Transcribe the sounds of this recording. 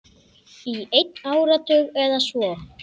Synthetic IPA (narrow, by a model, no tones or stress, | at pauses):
iejt̪naːwɾat̪ʰʏɣɛðasvɔː